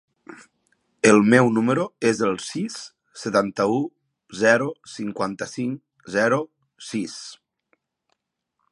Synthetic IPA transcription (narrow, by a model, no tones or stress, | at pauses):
elˠmɛwnuməɾoezəlˠsisː | et̪ant̪əu | zɛɾosiŋkwant̪əsiŋ | zɛɾo | sis